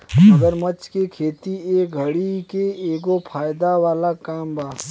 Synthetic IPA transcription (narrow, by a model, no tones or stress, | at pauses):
mɐɡəɾmɐt͡ʃkekʰeːt̪ieːk̚ɡʱɐɽikeeːɡopʰaːjd̪aʋaːlakaːmbʱaː